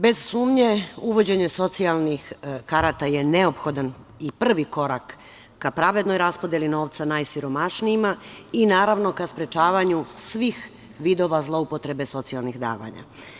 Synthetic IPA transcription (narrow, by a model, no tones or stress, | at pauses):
be̞z̥suːmɲe̞uʋo̞d͡ʑe̞ɲe̞so̞t̪sialnixkaɾat̪aje̞neo̞pxo̞d̪an | ipr̩ʋiko̞ɾakː | apɾaʋe̞d̪no̞jɾaspod̪je̞lino̞ːʋt̪sanajsiɾo̞maʃniimainaːɾaʋno̞kaspɾe̞t͡ʃaːʋaɲusʋix | ʋid̪o̞ːʋazlˠo̞upo̞t̪ɾe̞be̞so̞t̪sialˠnixd̪a̰ːʋa̰ɲa̰